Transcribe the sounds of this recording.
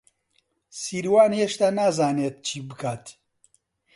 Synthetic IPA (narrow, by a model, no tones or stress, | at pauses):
siːɾwaːnjeʃt̪aːnaːzaːneːt̪̚t͡ʃʰiːbɨkʰaːt̪